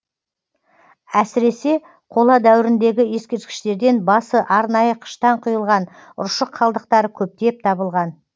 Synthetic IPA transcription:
æsɪɾe̞se̞ | qʰo̞lˠɑd̪æwɪɾɪnd̪e̞ɡʲɪje̞skʲe̞ɾt̪kʲɪ̥ʃt̪e̞ɾd̪e̞nbɑsəʔɑɾnɑjəqʰə̥ʃt̪ɑɴqʰʊjəlˠʁɑn | ʊ̰ɾʃəqʰːɑlˠd̪əq̚t̪ɑɾəkʲʰɵp̚t̪e̞p̚t̪ʰɑbəlˠʁɑn

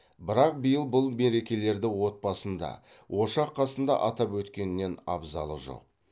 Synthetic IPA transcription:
bɪɾɑq̚bəjəlˠbʊlˠme̞ɾe̞kʲe̞le̞ɾd̪ɪwo̞t̪̚pɑsənd̪ɑ̰ | wʔo̞ʃɑqʰːɑsənd̪ɑ̰ʔɑt̪ɑpwɵt̪kʲe̞nɪne̞nɑ̰bzɑ̰lˠə̰ʒo̰q̚

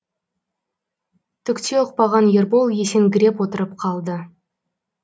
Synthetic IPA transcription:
t̪ʰʏkt̪e̞ʊq̚pɑʁɑnje̞ɾbolˠje̞seŋɡʲɪɾe̞pwot̪əɾəp̚qʰɑlˠd̪ə

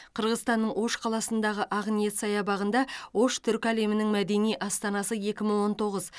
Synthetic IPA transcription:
qʰəɾʁəzst̪ɑnːəɴwo̞ʃqʰɑlˠɑsənd̪ɑʁəʔɑʁnije̞t̪sɑjɑbɑʁənd̪ɑwo̞ʃt̪ʰʏɾkʲæle̞mɪnɪŋmæd̪e̞nijʔɑst̪ɑnɑsəje̞kʲɪməɴwo̞nt̪o̞ʁəz

